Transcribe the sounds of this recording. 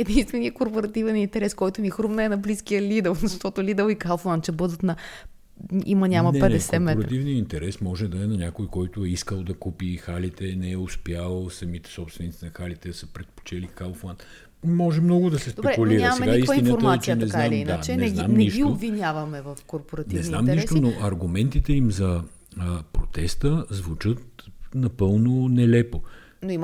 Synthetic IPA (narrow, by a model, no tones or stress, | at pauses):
ɛd̪inst̪vɛnijəkoɾpoɾɐt̪ivɛnint̪ɛɾɛskɔjt̪ʊmixɾumnəɛnɐbliskiəlʲid̪ɛlˠzɐʃt̪ɔt̪ʊlʲid̪əlˠikalˠflˠant̪̚t͡ʃɛbɤd̪ət̪nɐ | ḭmɐnʲamɐnpɛɛsɛmɛoɾɐɾivniəint̪ɛɾɛsmɔʒɛd̪ɐɛnɐnʲakojkɔjt̪ʊɛiskəlˠd̪ɐkupixalit̪ɛnɛɛʊspjalˠsɐmit̪ɛ̥sɔpst̪vɛnit̪inɐxalit̪ɛd̪ɐsəpɾɛt̪po̥t͡ʃɛlikalˠflˠant̪ | mɔʒɛmnɔɡʊd̪ɐsɛsd̪pɛɾɛkuliɾɐsɛɡaist̪inətɾəaɛt͡ʃɛnɛzaamind̪aɛnɛznammniʃɡioobvːinʲavɐmɛvɐfkoɾpoɾɐtnniɛznamniʃt̪onoʔɐɾɡʊmɛnt̪it̪ɛimzɐəpɾot̪ɛst̪əzvut͡ʃɤt̪nɐpɤlˠnonɛlɛpo | noim